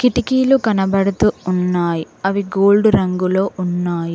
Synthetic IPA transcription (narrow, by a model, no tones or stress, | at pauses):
kiʈikiːlukɐnɐbɐɽut̪uːnːaːji | ɐʋiɡo̞ːlɖɾɐŋɡulo̞ːʔunːaːji